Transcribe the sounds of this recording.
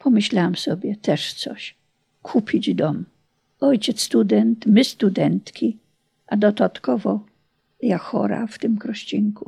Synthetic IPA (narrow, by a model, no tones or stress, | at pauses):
pʰɔmɘɕlawamsɔbʲjɛt̪ɛʂt̪sɔ̰ɕ | kʰupʲid͡ʑd̪ɔm | ɔjt͡ɕɛt̪sst̪ud̪ɛnt̪mɪst̪ud̪ɛnt̪kʲʰi | ʔad̪ɔd̪at̪kɔvɔ | jaxɔ̰ɾa̰ft̪ɪmkɾɔɕt͡ɕiŋku